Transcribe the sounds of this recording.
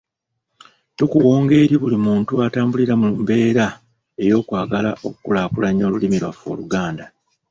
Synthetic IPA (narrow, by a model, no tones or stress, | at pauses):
tukuwo̞ːŋɡe̞ɾiβulimuːntuataːmbuliɾamumbe̞ːɾa | e̞jo̞ːkwaːɡala̰ʔokukulaːkulaɲːo̞ːlulimilwa̰fo̞̰luɡaːnda